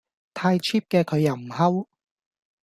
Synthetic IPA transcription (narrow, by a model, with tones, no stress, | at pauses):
t̪ʰaː˧jt͡ʃʰiː˥p̚kɛː˧kʰɵ˨˧ɥjɐ˨˩m̩˨˩ɦɐ˥w